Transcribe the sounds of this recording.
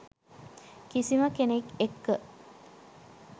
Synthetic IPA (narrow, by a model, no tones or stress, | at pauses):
kisiməkenekekːə